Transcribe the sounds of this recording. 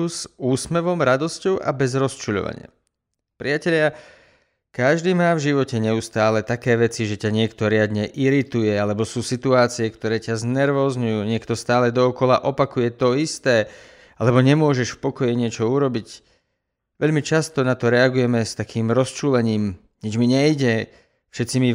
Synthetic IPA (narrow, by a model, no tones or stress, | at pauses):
uzuːsmɛʋɔmɾad̪ɔscɔʊʔa̰bɛzɾɔst͡ʃuːʎɔ̰ʋa̰ɲɪ̰a̰ | pɾiacɛʎɪa | kaʒd̪iːmaːvʒiʋɔcɛɲɛust̪aːlɛt̪akɛːʋɛt͡siʒɛcaɲɪɛkt̪ɔɾɪad̪ɲɛʔiɾit̪ujɛalɛbɔsuːsit̪uaːt͡siɛkt̪ɔɾɛːcaznɛɾʋɔːzɲujuːɲɪɛkt̪ɔst̪aːlɛd̪ɔːkɔlaʔɔpakujɛt̪ɔist̪ɛː | alɛbɔɲɛmʊɔʒɛʃfpɔkɔjiɲɪɛt͡ʃɔuɾɔbic | ʋɛʎmit͡ʃast̪ɔnat̪ɔɾɛaɡujɛmɛst̪akʰiːmɾɔst͡ʃuːlɛɲiːm | ɲid͡ʒmiɲɛjɟɛ | fʃɛt̪t͡simi